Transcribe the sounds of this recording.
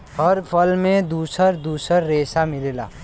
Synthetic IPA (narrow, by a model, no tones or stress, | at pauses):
həɾpʰəlmẽd̪uːsəɾd̪uːsəɾːeːsamilela̰ː